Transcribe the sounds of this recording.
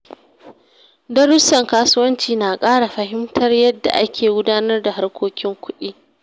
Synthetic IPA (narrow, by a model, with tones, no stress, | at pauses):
dɐ˦ɽʊ˦sɐ˨ŋkaː˦sʊ˦wɐ˦nt͡ʃiː˨naː˨kʼaː˦ɽa˨ɸɐ˨ɦɪ˦mtʰɐ˦rjɐ˦dːa̰˨ʔa˦kʲʰeː˨ɡʷʊ˦daː˦nɐ˦rda˨ɦa˦rkʷoː˦kʲɪ˦ŋkʷʊ˦ɗiː˦